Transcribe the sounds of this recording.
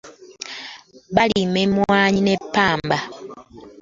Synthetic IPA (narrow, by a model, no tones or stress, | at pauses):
βalimemwaːɲinepːaːmba